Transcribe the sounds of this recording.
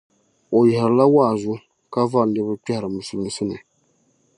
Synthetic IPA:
o˨jɛ˨hɾɨ˨la˦waː˦˨zʊ˦ | ka˦va˦˨nɨ˦bɨ˦k͡pɛ˦hɾɨ˨mɨ˨su˨lɨ˨n˨sɨ˦nɨ˨

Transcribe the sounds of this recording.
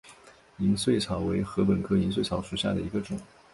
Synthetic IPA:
i˧˥nswe˥˩ɪt͡sʰɑ˧˥ʊwe˧˥ɪxɤ˧˥p̬ə˨˩nkʰɤ˥˩i˧˥nswe˥˩ɪt͡sʰɑ˧˥ʊʂu˨˩ɕja̰˥˩d̪ə˩i˧˥ɡə˧ʈ͡ʂʊ˨˩˦

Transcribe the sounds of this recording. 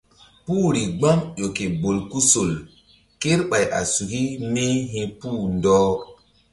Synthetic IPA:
puː˦ɾi˨ɡ͡ba˦mjo˨ke˨bo˨lku˦so˨l | ke˦ɾɓa˨jʔa̰˨su˨ki˦ne˦ɦĩ˦puː˦ndɔː˦

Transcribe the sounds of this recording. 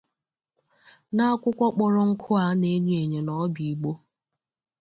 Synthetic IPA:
na˦a˦kʷʊ˦kʷɔ˦k͡pɔ˨ɾɔ˦ŋ̩˦kʰʊ˦a˦ne˦ɲu˦e˨ɲe˨nɔ˨˦bi˨i˨ɡ͡bo˦

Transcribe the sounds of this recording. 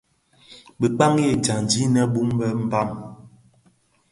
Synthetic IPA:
ɓə˨k͡pa˦ŋje˦˨d͡ʒa˨n˨d͡ʒi˨˦nɛ˦bu˦mbɛ˦m̩˦ba˦˨m

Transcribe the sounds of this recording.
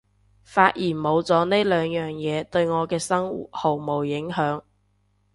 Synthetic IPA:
faː˧t̚jiː˨˩nmo˨˧wt͡sɔː˨˥ne˥lœː˨˧ŋjœː˨ŋjɛː˨˧t̪ɵ˧ɥŋɔː˨˧kɛː˧sɐ˥ŋṵ˨t̚ho˨˩wmo˨˩wjɪ˨˥ŋɦœː˨˥ŋ

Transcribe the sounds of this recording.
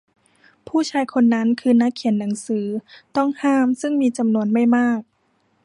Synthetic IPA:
pʰuː˥˩t͡ɕʰaː˧jkʰo˧nːa˦˥nkʰɯː˧na˦˥kʰːi˨˩˦ənːa˩˦ŋsɯː˩˦t̪ɔ˥˩ŋhaː˥˩msɯ˥˩ŋmiː˧t͡ɕa˧mnu˧ənma˥˩jmaː˥˩k̚

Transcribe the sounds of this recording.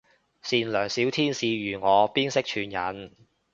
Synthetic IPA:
siː˨nlœː˨˩ŋsiː˨˥wt̪ʰiː˥nsiː˧jyː˨˩ŋɔː˨˧piː˥nsɪ˥k̚t͡ʃʰyː˨˧njɐ̰˨˥n

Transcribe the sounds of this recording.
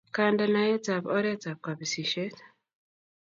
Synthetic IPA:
kanda˨na˨jɛ˦ta˨bɔ˦ɾɛ˦ta˨p̚ka˨bi˨si˨ʃe˦t

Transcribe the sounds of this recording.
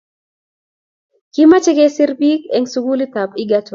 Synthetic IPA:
ki˦ma˦t͡ʃi˦ke˦sɪ˦ɾbi˦kɛ˨ŋsu˦ɡu˦li˦ta˨pi˦ɡa˦t

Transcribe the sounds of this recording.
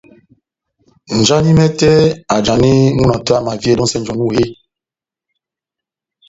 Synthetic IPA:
n̩˨d͡ʒa˦ni˦mɛ˦tɛ˦a˨d͡ʒa˨ni˦mu˦na˨tɔ˦a˦˨ma˨vi˦e˦dɔ˦sɛ˦n̩˨d͡ʒɔ˨nu˦˨he˦˨

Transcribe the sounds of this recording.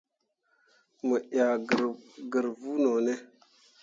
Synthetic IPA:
mə˨ʔa˨ɡə˨ɾvu˦no˨ne˦

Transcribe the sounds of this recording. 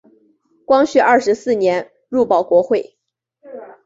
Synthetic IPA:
kwɑ˥ŋɕy˥˧ɐ˥˩ʂɻ̩˧˥sɹ̩˥˩njɛ˧˥n | ɻu˥˩pɑ˨˩ʊkwɔ˧˥xwe˥˩ɪ

